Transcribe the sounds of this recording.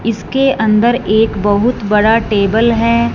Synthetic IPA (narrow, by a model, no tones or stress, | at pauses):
ɪskeʔɐ̃nd̪əɾeːkbɐɦʊt̪bɐɽaʈeːbəlɦɛː